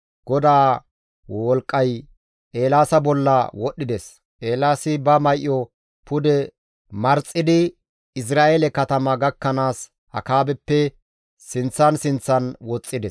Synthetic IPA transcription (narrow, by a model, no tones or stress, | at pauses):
ɡ̥ɔd̪aː | wɔlkʼːɐj | ʔe̞ːlaːsɐbɔlːɐwɔɗːɪd̪ɛs | ʔe̞ːlaːsɪbɐmɐjʔːɔ | pʊd̪ɛ | mɐɾt͡sʼːɪd̪ɪ | ɪs̬ɾaːʔelɛkɐt̪ɐmɐɡɐkːɐnaːs | hɐ̰kaːbɛpːɛ | sɪnt͡sːɐnsɪnt͡sːɐnwɔt͡sʼːɪd̪ɛs